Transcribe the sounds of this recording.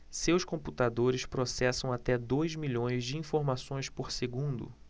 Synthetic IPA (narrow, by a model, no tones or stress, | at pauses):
sewskõmput̪ad̪oɾɪspɾosɛsɐ̃w̃at̪ɛd̪ojzmiʎõj̃zd͡ʒɪĩfoɾmasõj̃spoɾseɡũnd̪ʊ̰